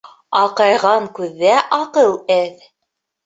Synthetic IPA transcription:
ɑqɑjʁɑŋkʉðːæʔɑqɤw̪ˠæð

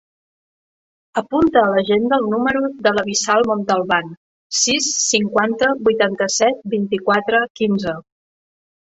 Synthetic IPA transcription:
əpunt̪əːləʒend̪əːlˠnuməɾuðələβisalˠmont̪əlˠβan | sisːiŋkwant̪əbujt̪ant̪əsɛt̪̚bint̪ikwat̪ɾəkinzə

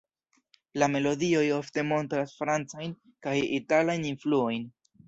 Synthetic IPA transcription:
lame̞lo̞dio̞jo̞fte̞mo̞ntɾasfɾant͡sajn | kajitalajninfluo̞jn

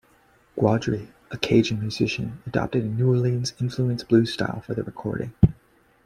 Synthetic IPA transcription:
ɡ̥wɑdɹi | ɨkʰeɪʒɨ̃nmjʉzɪʃɨ̰̃nɨdɑ̰p̚tɨɾɨnuə˞lĩnzɪ̃nfluɨ̃nsb̥lʉstaɪlˠfə˞ðɨɹɨkʰɔ̰ɹɾɪ̰̃ŋ

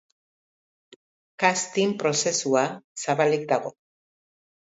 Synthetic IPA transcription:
kast̪impɾo̞se̞suasaβalik̚d̪aɣ̞o̞

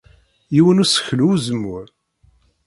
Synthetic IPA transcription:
jiwənusə̥çluːzəmːʊɾ

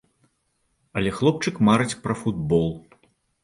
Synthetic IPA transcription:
ɐlʲɛxlˠɔp̚t͡ʂɨkmaɾɨt͡sʲpɾɐfud̪̚bɔlˠ

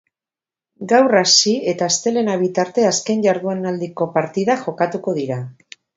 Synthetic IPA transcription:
ɡawrasie̞t̪ast̪e̞le̞naβ̞it̪aɾt̪e̞aske̞nʝaɾðuenald̪iko̞paɾt̪iðaxo̞kat̪uko̞ð̞iɾa

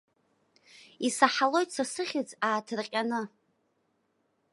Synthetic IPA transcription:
isaħalo̞jtsasɨχʲɪd͡zaːtʰɨrqʲʼanɨ

